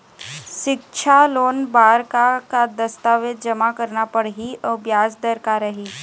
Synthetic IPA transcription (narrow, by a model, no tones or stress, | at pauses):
ʃɪkt͡ʃʰaloːnbaːɾkakad̪ɐst̪aːʋed̪d͡ʒɐmakəɾnapəɽɦiɐbjaːsd̪əɾkaɾɐɦiː